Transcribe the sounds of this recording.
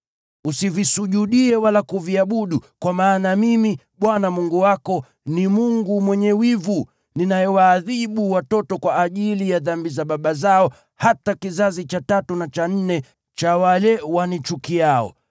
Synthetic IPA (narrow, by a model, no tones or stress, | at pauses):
usivisuʄuɗiɛwalakuviaɓuɗukwamaːnamimi | ɓwanamuŋɡuwakɔ | nimuŋɡumwɛɲɛwivu | ninajɛwaːðiɓuwatɔtɔkwaːʄilijaðambizaɓaɓazaɔ | hatakizazit͡ʃatatunat͡ʃan̩nɛ | t͡ʃawalɛwanit͡ʃukiaɔ̰